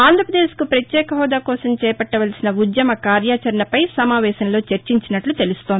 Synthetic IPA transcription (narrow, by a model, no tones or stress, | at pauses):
aːnd̪ʱɾɐpɾɐd̪eːskupɾɐt̪jɛːkɐɦɔːd̪aːkɔːsɐmt͡ʃɛːpɐʈːɐʋɐlsinɐud̪jɐmɐkaːɾjaːt͡ʃɐɾɐnɐpɐjsɐmaːʋɛːʃɐnlo̞ːt͡ʃɐɾt͡ʃiɲt͡ʃinɐʈlut̪e̞lust̪oːnd̪i